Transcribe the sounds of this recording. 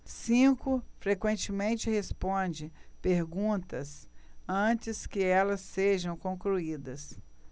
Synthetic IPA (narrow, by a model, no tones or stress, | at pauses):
sĩkʊfɾekwẽnt͡ʃɪmẽnt͡ʃɪhespõd͡ʒɪpeɾɡũt̪ɐsɐ̃t͡ʃɪskɪɛlɐsːeʒɐ̃w̃kõkluid̪ɐs